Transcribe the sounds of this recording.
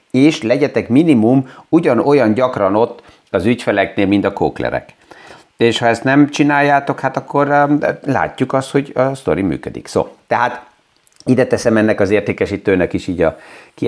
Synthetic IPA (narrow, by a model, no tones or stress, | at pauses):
eːʃlɛɟɛt̪ɛkminimumuɟɒno̞jɒnɟɒkrɒno̞t̪ː | ɒzycfɛlɛkneːlmint̪ɒkoːklɛ̰ɾɛ̰k | eːʃhɒɛst̪nɛmt͡ʃinaːjːaːt̪o̞khat̪ɒkːo̞rla̰ːcːukɒst̪ho̞ɟɒst̪o̞ɾimy̰ːkø̰d̪ḭkso̰ːt̪ɛɦaːt̪ | id̪ɛt̪ɛsɛmɛnːɛkɒzeːrt̪eːkɛʃit̪øːnɛkiʃiːɟɒki